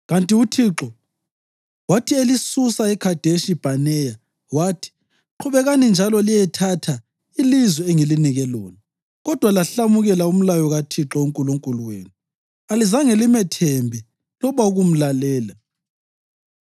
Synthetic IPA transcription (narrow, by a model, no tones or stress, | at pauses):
ɣantʼiutʰiǁɔ | watʰielisusaɛkʰad̥ʱeʃib̥ʱanɛja | waːtʰi̥ | ǃʰuβɛɣanind͡ʒʱalɔlijɛtʰatʰa | ilizwɛɛŋeliniɣɛlo̰ːni | ɣɔd̥ʱwalaɬamuɣɛlaum̩lajɔɣatʰiǁɔuŋkʼuluŋkʼuluwḛːnu | alizaŋelimɛtʰembʱi | lɔβauɣum̩lalɛːla